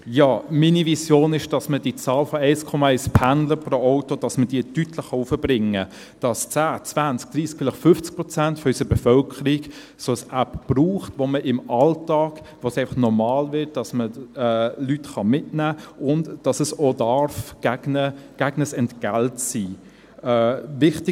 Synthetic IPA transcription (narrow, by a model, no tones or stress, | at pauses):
jɑːminivisjoːnɪʃd̥ɑsmədit͡sɑːlfɔɛɪskʰɔmɑɛɪspʰændləpɾoɔʊtod̥ɑsməd̥iːətytʰləχːɑufəbɾɪŋə | d̥ɑst͡sæːt͡svænt͡sk̚d̥ɾiːsk̚fɪlχfʏft͡sk̚pɾɔt͡sæntfɔysəbɛfœlkʰəɾiɡ | soəsæpb̥ruːχtʋoməʔɪmɑltɑːk | ʋosɛɪfɑχnɔɾmɑːlvɪt̚d̥ɑsməɛːlytχɑmɪtnæːʊndd̥ɑsəsoːdɑɾfɡ̥æɡnəɡ̥æɡnəsɛntɡ̥æltsiː | ɛːvɪχtɪ